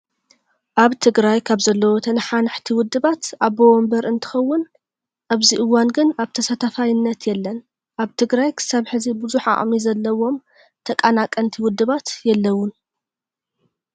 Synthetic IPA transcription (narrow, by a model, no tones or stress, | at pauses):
ʔaβt̪ʰɨɡɾajkʰaβzɐlːɐwo̞t̪ʰɐnħanħt̪ʰiwʊd̪ːɨβat̪ʔaβːɐwɔmbɐɾɨnt̪ʰɨ̥xɐwːʊn | ʔaβziʔɨwːanɡɨnaβt̪ʰɐsɐt̪ʰɐfajɪnːɐt̪jɛlːɐn | ʔaβt̪ʰɨɡɾajkʰɨ̥saβħɨzibɨzuħa̰ʔʼmizɐlːɐwo̞m | t̪ʰɐkʼanakʼːɐnt̪ʰiwʊd̪ːɨβat̪jɛlːɐwːʊn